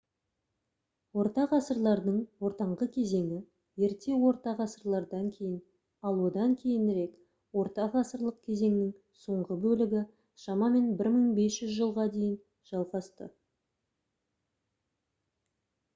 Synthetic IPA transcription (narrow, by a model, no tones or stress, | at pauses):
wo̞ɾt̪ɑʁɑsəɾlˠɑɾd̪əɴwo̞ɾt̪ɑɴʁəkʲʰe̞ze̞ŋɪ | je̞ɾt̪e̞wo̞ɾt̪ɑʁɑsəɾlˠɑɾd̪ɑŋkʲʰe̞jɪn | ɑlˠwo̞d̪ɑŋkʲʰe̞jɪnɾe̞k | wo̞ɾt̪ɑʁɑsəɾlˠəq̚kʲʰe̞ze̞ŋnɪŋ | so̞ɴʁəbɵlɪɡʲɪ | ʃɑmɑme̞nbɪɾməɴbe̞sʒ̥ʏzʒəlˠʁɑd̪e̞jɪn | ʒ̥ɑlˠʁɑst̪ə̰